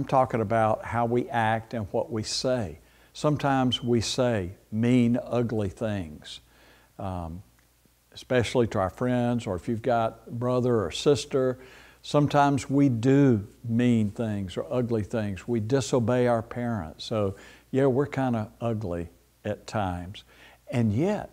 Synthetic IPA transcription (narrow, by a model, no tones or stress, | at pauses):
ãɪ̃mtʰɔkɪ̃ŋəbaʊt̚haʊwiʔæk̚tɨ̃nwʌʔ̚wiseɪ | sʌ̃mtʰãɪ̃mzwiseɪmĩnʌɡliθɪ̃ŋz̥ | ɨspɛʃl̩ˠiɾəaʊə˞fɹɛ̃ndzə˞ɨfjʉvɡɑt̚b̥ɹʌðə˞ə˞sɪstə˞ | sʌ̃mtʰãɪ̃mzwidɨmĩnθɪ̃ŋzə˞ʔʌɡliθɪ̃ŋzwidɪsoʊbeɪaʊə˞pʰɛɹɨ̰̃ntsoʊ | jæwɪɹkʰãɪ̃ndəʌɡli | ɨtʰãɪ̃mz̥ | ɨ̃njɛt̚